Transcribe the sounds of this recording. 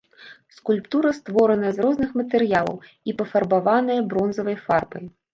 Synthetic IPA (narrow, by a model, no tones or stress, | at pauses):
skulʲpt̪uɾɐst̪vɔɾɐnɐjɐzrɔznɨxmɐt̪ɛɾɨjalˠɐ̰w | ipɐfɐrbavanɐjɐbɾɔnzɐvɐjfarbɐj